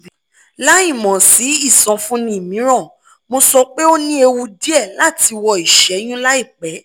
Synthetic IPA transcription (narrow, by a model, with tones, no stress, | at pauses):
la˦ĩ˦˨mɔ̃˨si˨˦i˦˨sɔ̃˧fũ˦nĩ˧˦i˨mĩ˨˦ɾ̃ɔ̃˦˨ | mo˧sɔ˧k͡pe˦o˦nĩ˦e˧wu˧di˦ɛ˦˨la˨˦˨ti˧wɔ˧i˨ʃɛ˨˦j̃ũ˦la˦i˦˨k͡pɛ˨˦